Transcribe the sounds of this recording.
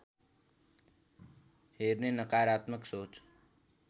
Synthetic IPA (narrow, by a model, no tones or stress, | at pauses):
heːɾnenəkaːɾaːt̪məksoːt͡ʃ